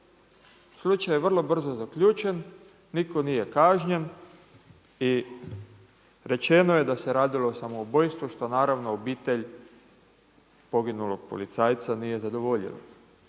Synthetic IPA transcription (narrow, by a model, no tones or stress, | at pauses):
slˠut͡ʃajeʋr̩lˠo̞br̩zozakʎuːt͡ʃenː | iko̞nije̞kaːʒɲen | i | ɾe̞t͡ʃe̞noje̞d̪ase̞ɾaːd̪ilo̞ːsamoubojst̪ʋuʃt̪o̞naːɾaʋno̞obiːt̪e̞ʎ | po̞ɡinulo̞ɡ̥̚po̰lit̪saːjt̪sanije̞zad̪o̞ʋo̞ʎḭlo̰